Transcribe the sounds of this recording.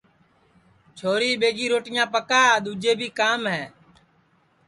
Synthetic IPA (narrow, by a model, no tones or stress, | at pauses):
t͡ʃʰoːɾiːɓeːd͡ʒiːɾoːʈɪjãːpəkaːɗ̪uːd͡ʒeːbʱiːkaːmɦɛː